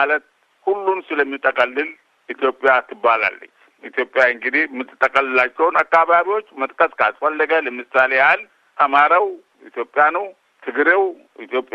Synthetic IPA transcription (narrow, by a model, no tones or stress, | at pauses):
alət̪̚ | hulːunsɨləmːit̪ʼəkʼəlːɨl | ʔit̪jo̞pʼːjat̪ʰɨbːala̰lːə̰ɲː | it̪jo̞pʼːjaɨŋɡɨd̪ihmːɨt̪ːɨt̪ʼːəkʼəlːɨlat͡ʃːɛwnakːaβaβiwo̞t͡ʃːmət̪ʼkʼəskʰasfalːəɡaləmɨsaleal | ʔamaɾaw | it̪ʰjo̞pʼːɪjanəw | t̪ʰɨɡɾew | ʔit̪ʰjo̞pʼ